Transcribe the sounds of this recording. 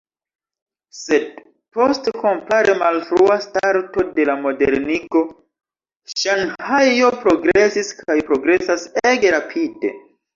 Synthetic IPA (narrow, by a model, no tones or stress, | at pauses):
se̞d̚ | po̞stko̞mpaɾemalfɾuastaɾto̞de̞lamo̞de̞ɾniko̞ | ʃanhajjo̞pɾo̞ɡɾe̞siskajpɾo̞ɡɾe̞saseɡe̞ɾapʰide̞̰